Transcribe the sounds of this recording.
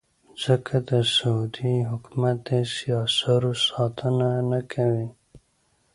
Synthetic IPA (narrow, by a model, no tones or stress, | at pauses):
z̥əkʰad̪əsaud̪iɦʊkmat̪esijɑsaɾosɑt̪ʰənanakʰawi